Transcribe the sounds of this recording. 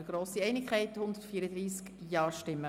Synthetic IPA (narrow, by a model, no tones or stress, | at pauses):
əɡ̥ɾoːsiɛɪnɪkχɛɪthʊnd̪ətfiəɾəd̪ɾiːskjɑːɾʃtɪmːə